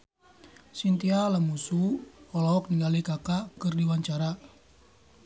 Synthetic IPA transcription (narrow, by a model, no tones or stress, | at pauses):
sint̪ialamusuɔlɔɔk̚niŋɡalikakakɨrdiwaɲt͡ʃaɾa